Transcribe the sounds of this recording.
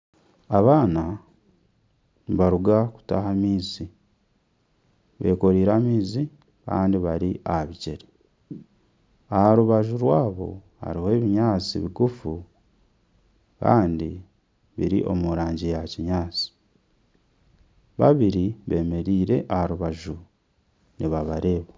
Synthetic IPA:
aβaːna | βaɾuɡaku̥ta̰hamiːzi | βe̞̰ːko̞ɾiːɾamiːzi | ka̰ːndiβaɾiʔaβice̞ɾe | ahaɾuβaʒuɾwaːβo̞̰ | ha̰ɾihoe̞ːβiɲaːt͡sḭβiɡufu | ka̰ːndi | βḭɾḭʔo̞̰muɾaːɲɟijaciɲaːt͡si̥ | βaβiɾiβe̞ːme̞ɾiːɾe̞ʔahaɾuβaʒu | niβaβaɾe̞ːβa

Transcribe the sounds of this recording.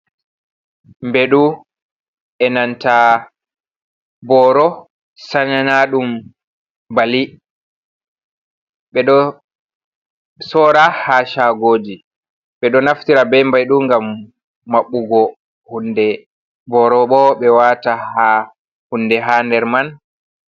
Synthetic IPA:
mbɛɗu | ʔɛnanta | bɔɾɔ | sananaɗum | bali | ɓɛɗɔ | sɔːɾahaʃaɡoːd͡ʒi | ɓɛɗɔnaftiɾabɛmbajɗuŋɡamː | aɓːuɡɔ | hundɛ | bɔɾɔɓɔɓɛwataha | hundɛɦandɛɾman

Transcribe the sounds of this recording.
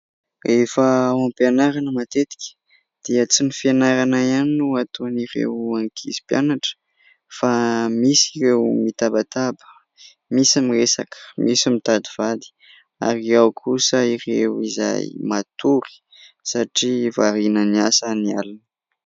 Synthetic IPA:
refəampeanaɾanəmat̪et̪i̥kʲə̥ | d̪̥iət͡sinifianaɾanaianinuat̪oaniɾḛwaŋkʰḭzi̥pjanaʈ͡ʂə̥ | famisirewmit̪abat̪abə̥ | misamiresakə̥misimit̪ad̪iv̥ad̪i̥ | a̰ɾiawkʰusəirewiza̰jmat̪uɾi̥ | saʈ͡ʂivaɾinəniasənia̰lunə̥

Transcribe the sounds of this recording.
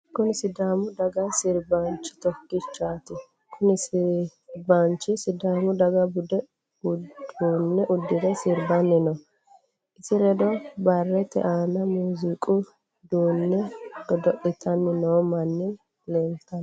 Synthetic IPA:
kʊnɪsɪd̪aːmʊd̪ɐɡɐsɪɾbant͡ʃːɪ̥t̪ɔkːɪt͡ʃːaːt̪ɪ | kʰʊnɪs | bant͡ʃːɪsɪd̪aːmʊd̪ɐɡɐbʊd̪ɛ | ʊuːnːɛʔʊd̪ːɪd̪ɛsɪɾbɐnːɪnɔ | ʔɪsɪɾɛd̪ɔbɐrːɛt̪ɛ̰ʔaːnɐmuːzikʼʊ | d̪uːnːɛɡɔd̪ɔʔɪt̪ʰɐnːɪnoːmɐnːɪ | lɛːnt̪ːɐn

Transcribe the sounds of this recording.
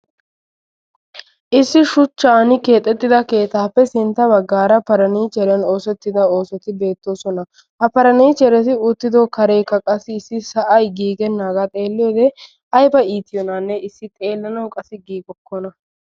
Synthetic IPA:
ʔɪsːɪʃʊt͡ʃːaːnɪke̞ːt̪ʼːɛt̪ːɪd̪ɐke̞ːt̪aːpːɛsɪnt̪ːɐbɐɡːaːɾɐpɐɾɐniːt͡ʃɛɾɛno̞ːsɛt̪ːɪd̪ɐo̞ːsɔt̪ɪbe̞ːt̪ːo̞ːsɔnɐ | hɐpɐɾɐniːt͡ʃɛɾɛt̪ɪʊt̪ːɪd̪oːkɐɾejkːɐkʼɐsɪːsːɪsɐʔɐjɡiːɡɛnːaːɡat̪ʼeːlːɪjoːd̪ɛ | ɐjbɐiːt̪ɪjɔnanːɛɪsːɪt̪ʼe̞ːlːɐnɐwkʼɐsɪɡiːɡɔkːɔnɐ

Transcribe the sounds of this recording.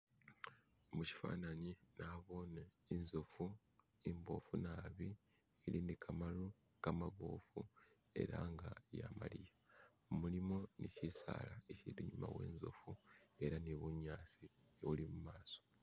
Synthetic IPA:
muci̥fa̰ːnaɲinaβo̞ːneinzofu | imbo̞funaːβi | elinikʰamalu | kamaβo̰fu | e̞̰ɾaŋɡaja̰ma̰lija | omulimo̞nicisa̰ːlaecidiɲumawe̞̰ːnzo̞̰fue̞ɾaneβuɲːaːsieβulimumaːso̥

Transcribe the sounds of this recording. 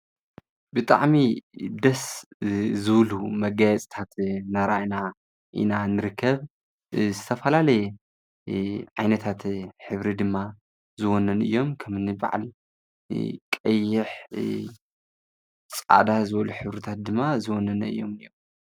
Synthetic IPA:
bɨt̪ʼa̰ʕmid̪ɐs | zɨβlumɐɡajɛt͡sʼt̪ʰat̪naɾaʔna | ʔḭnanɨɾɨkʰːɐβ | zɨt̪ʰɐfɐlalɐj | ʕajnɐt̪ʰat̪ħɨβɾid̪ɨmːa | zɨwonːɐnɨ̰jːo̞mkʰɐmɨnɨba̰ʕ̰l | kʼɐjːɪħ | t͡sʼa̰d̪azɨβɐluħɨβɾɨt̪ʰat̪̚d̪ɨmːazɨwɔnːɐnɐɨ̰jːo̞mɨjːom

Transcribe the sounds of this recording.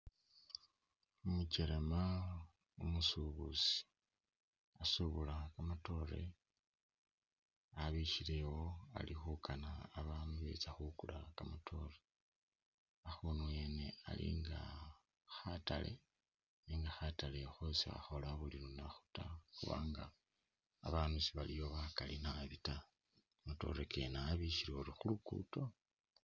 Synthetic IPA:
omuceɾema | omusuβusi̥ | asuβulakamato̞ɾe̞̰ | aβiʃile̞woa̰lixukʰanaːβamuβḛt͡saxukulakamatʰo̞re | axonuwe̞ne̞a̰lḭŋɡa | xatalʔe̞̰ | niŋɡaxatalexosia̰xo̞laβulinonaxu̥taxuβa̰ːŋɡa̰ː | βaːnusiβalijo̞βakalinaβita | muto̞̰ɾeke̞naːβiʃiɾeuɾixulukṵːto̞

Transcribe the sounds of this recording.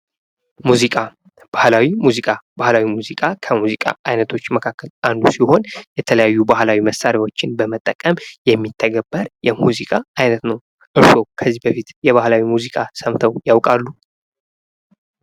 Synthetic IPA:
muzikʼa | b̥ahlawimuzikʼab̥ahlawimuzikʼakʰəmuzikʼa̰ʔajnət̪ʰo̞t͡ʃːməkʰakːəland̪usiho̞njɛt̪ʰələjajːubahlawiməsaɾjawo̞t͡ʃːɪnbəmət̪ʼːəkʼəmjɛmːit̪ʰːəɡəbːəɾjɛmuzikʼaajnət̪nəw | ʔɨɾso̞kʰəzːibəfit̪jɛβahlawimuzikʼasəmt̪ʰəwjawkʼalːu

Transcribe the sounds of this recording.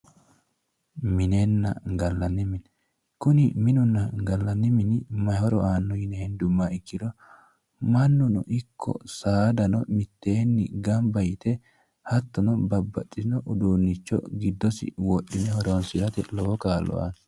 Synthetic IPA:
mɪnenːɐ̰ɡɐlːɐnːɪmɪn | kʊnɪmɪnʊnːɐɡɐlːɐnːɪmɪnɪmɐhɔɾɔʔaːnːɔjɪnɛhɛnd̪ʊmːaɪkːɪd̪ɔ | mɐnːʊnɔ̰ʔɪkʰːɔ̰saːd̪ɐnɔmɪt̪ːe̞ːnːɪ̰ɡɐmbɐjɪt̪ɛ | hɐt̪ːɔnɔbɐbːɐt͡ʃʼːɪnɔʔʊd̪uːnːɪt͡ʃːɔ̰ɡɪd̪ːɔsɪ̰wɔɗːɪnɛhɔɾoːnsɪɾɐt̪ɛ̰lɔwɔkaːlːɔ̰a̰n

